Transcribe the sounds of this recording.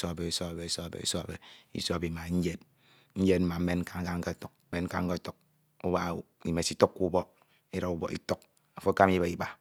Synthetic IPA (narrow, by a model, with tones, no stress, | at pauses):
so˦a˨be˨i˨so˦a˨be˨i˦so˦a˨bḛ˨ḭ˦so˦a˨be˨ḭ˦so˦a˨bi˨ma˨ɲ̩˦d͡ʒe˦t̚ | ɲ̩˦d͡ʒe˦t̚m̩˦ma˨m̩˦e˦nŋ̩˦ka˦ŋ̩˦ka˦ŋ̩˦ke˦˨to˨k̩̚˦me˦ŋ̩˦ka˦ŋ̩˦ke˦˨to˨k̚ | u˦ba˦˨i˦˨me˨si˦to˦kːu˦bɔ˦ | e˦ɾa˨u˦bɔ̰˨ḭ˦to˦k̚ | a˨fo˦ka˦m˦ji˦be˨i˦ba˦